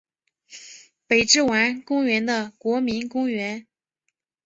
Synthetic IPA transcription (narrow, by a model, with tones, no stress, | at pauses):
pe˨˩ɪʈ͡ʂɻ̩˥˩wa˧˥nkʊ˥ŋɥɛ˧˥nd̪ə˧kwɔ˧˥mi˧˥nkʊ˥ŋɥɛ˧˥n